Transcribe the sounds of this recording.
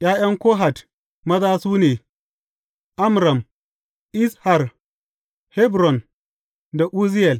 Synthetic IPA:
j̰aː˦jɐ˦ŋkʷoː˦ɦa˨t | mɐ˦zaː˦suː˦neː˨ | ʔa˦mɾa˨m | ʔɪ˦sha˨r | hɛ˦bɾɔ˨n | da˨ʔu˦zi˦jɛ˨l

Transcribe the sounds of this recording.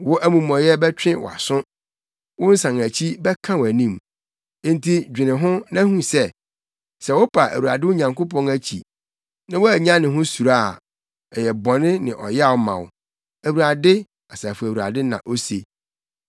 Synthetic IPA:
wʊ˦ʔæ˦mũ˨mɔ̃˨jɛ˦bɛ˦t͡ɕᶣɪ̃˦wɔ̰˨a̰˨sʊ̃˦ | wʊ̃˦n̩˦sã˨ŋæ˨t͡ɕʰi˦bɛ˦kʰã˦wæ˨nĩ˦m˦ | n˦tʰi˦d͡ʑᶣɪ̃˨nɪ̃˨ɦʊ̃˦nã˦hũ˦sɛ˦ | sɛ˨wʊ˦pʰa˨ʔæ̰˨wu˨ɾa̰˨dɪ˦ʊ˦ɲã˨ŋko˦pʰɔ̃˦næ˦t͡ɕʰḭ˨ | nã˦wɔ˦æ˨ɲã˦nɪ̃˨ɦʊ̃˦su˨ɾa˦˨ | ɛ˨jɛ˨bɔ̃˨nɪ̃˦nɪ̃˨ʔɔ˨jɛ˦a˦˨wʊ˦mã̰˨wʊ̰˨ | æ˨wu˨ɾa˨dɪ˦ | a˨sa˨fʊ˨æ˨wu˨ɾa̰˨dɪ˦nã̰˨ʔo˦se˨

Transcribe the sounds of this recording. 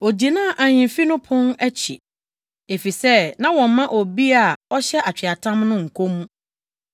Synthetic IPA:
o˨d͡ʑi˨nãː˦˨ʔã˨ɲɪ̃˨mfi˦nʊ̃˦pʰʊ̃˦næ˦t͡ɕʰḭ˨ | e˨fi˨sɛ˦nã˦wɔ̃˨m˦mã˦ʔo˨bi˦a˨ɔ˦ɕɛ˦ʔa˨t͡ɕᶣʰɪ˨a˨tʰã˦mnʊ̃˦ŋ̩˨kʰo˦mũ˦

